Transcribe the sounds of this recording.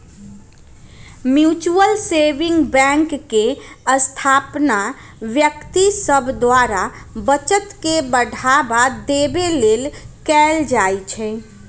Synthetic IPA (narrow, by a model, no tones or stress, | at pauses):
mjut͡ʃuəlseʋĩŋɡbɛ̃ŋkːeəst̪ʰapna | ʋjəkt̪isəbʱd̪waɾa | bət͡ʃət̪kebəɖʱabad̪ebelelkɛld͡ʒajt͡ʃʰɛ